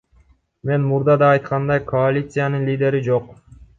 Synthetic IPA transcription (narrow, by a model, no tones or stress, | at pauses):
me̞nmuɾd̪ɑd̪ɑːjt̪qɑnd̪ɑjko̞alʲit̪sɨjanɯnlʲid̪ʲe̞ɾid͡ʒo̞q